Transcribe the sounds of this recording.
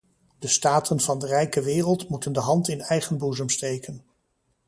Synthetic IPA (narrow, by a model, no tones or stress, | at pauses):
d̥əstaːtʰənvɑndərɛjkəʋɪːrəlˠtmutəndəɦɑntɪnɛjχənbuzəmstejkən